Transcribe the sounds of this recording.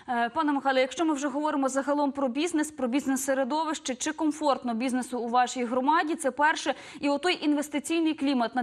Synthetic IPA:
pɑnɛmɪxɑlʲˠɛjɐkʃt͡ʃɔmɪwʒɛɦɔʋɔɾɪmɔzɐɦɐlˠɔmpɾɔbʲiznespɾɔbʲiznɛsːeɾed̪ɔʋɪʃt͡ʃɪt͡ʃɪkɔmfɔrt̪nɔbʲiznesʊːʋɑʃijɦɾɔmɑdʲit̪sɛpɛrʃɛ | iɔt̪ɔjʔinʋest̪ɪt͡sʲijnɪjklʲimɐt̪nɐ

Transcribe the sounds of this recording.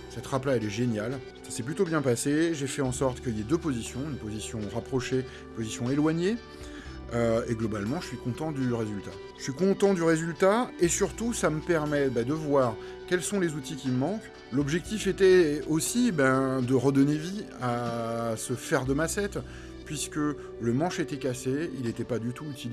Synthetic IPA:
sɛt̪ʁaplaɛlɛʒenjal | sḁsɛplyt̪objɛ̃paseʒefɛɑ̃sɔʁt̪kəiljɛd̪øpozisjɔ̃ynpozisjɔ̃ʁapχɔʃe | ynpozisjɔ̃elwaɲe | øeɡlɔbalmɑ̃ʒəsɥikɔ̃t̪ɑ̃d̪yʁezylt̪a | ʒəʃɥikɔ̃t̪ɑ̃d̪yʁezylt̪aesyʁt̪usaməpɛʁmɛbɛd̪əvwaːʁ | kʲɛlsɔ̃lezut̪ikʲiəmɑ̃k | lɔbʒɛk̚t̪ifet̪ɛosibɛ̃d̪əʁəd̪ɔneviasəfɛʁd̪əmasɛt̪ | pɥiskə | ləmɑ̃ʃet̪ɛkʲaseilet̪ɛpad̪yt̪uːt̪il

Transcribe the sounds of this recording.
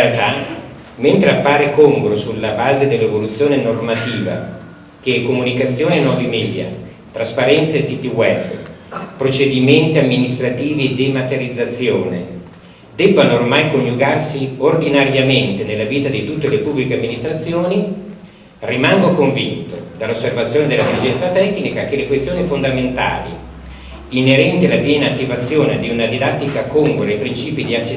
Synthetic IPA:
alt̪a | ment̪ɾeapːaːɾekoŋɡɾosulːabaːzed̪elːevolut̪sːjoːnenormat̪iːva̰ | kekːomunikat̪sːjoːnenɔvimɛːd̪ja̰ | t̪ɾaspaɾɛnt̪saesːit̪iwɛb | pɾot͡ʃed̪imɛnt̪iamːinist̪ɾat̪iːvid̪emat̪eɾid̪zːat̪sːjoːnḛ | d̪ɛbːanoːrmajkonjuɡarsiord̪inaɾjament̪enelːaviːt̪ad̪it̪ut̪ːelepubːlikeamːinist̪ɾat̪sːjoːni | rimaŋɡokoɱvḭnt̪od̪alːosːervat̪sjoːned̪elad̪ilid͡ʒɛnt̪sat̪ɛknikak̟elekwest̪joːnifond̪ament̪a̰ːlḭ | inːeɾɛnt̪ialapjɛːnaːt̪ːivat̪sːjoːned̪iunad̪id̪at̪ːikakoŋɡuɾejpɾint͡ʃiːpid̪iat͡ʃːe

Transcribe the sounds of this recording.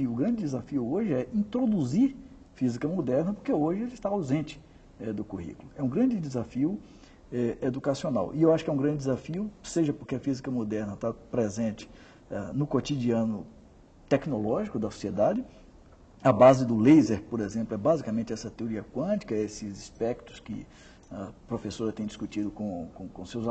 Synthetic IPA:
ʊɡɾɐ̃d͡ʒɪd̪ɪzafiʊoʒɪɛĩt̪ɾod̪uziɾ | fizikɐmod̪ɛɾnɐpoɾkeoʒɪelɪst̪aawzẽnt͡ʃɪ̥ | ɛd̪ʊkuhḭkʊlʊɛũɡɾɐ̃d͡ʒɪd̪ɪzafiʊ | ɛʔed̪ukasiona̰wʔiewaʃʊ̥kɪɛ̃ũɡɾɐ̃d͡ʒɪd̪ɪzafiʊseʒɐpoɾkeɐfizikɐmod̪ɛɾnɐt̪apɾezẽnt͡ʃɪ̥ | anʊkot͡ʃ̪id͡ʒiɐ̃nʊ | t̪ɛknolɔʒikʊd̪ɐso̥sied̪ad͡ʒɪ | ɐbazɪd̪ʊlejzeɾpoɾezẽplʊɛbazikamẽnt͡ʃɪɛsɐt̪eoɾiɐkwɐ̃t͡ʃi̥kɐesɪzispɛk̚t̪ʊ̥skɪ̰ | ɐpɾofesoɾɐt̪ẽj̃d͡ʒiskut͡ʃid̪ʊkõkõkõsewz

